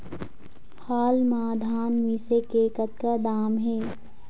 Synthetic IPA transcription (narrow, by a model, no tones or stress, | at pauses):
haːlmaːd̪ʱaːnʋiːsekekət̪̚kad̪aːmɦɛː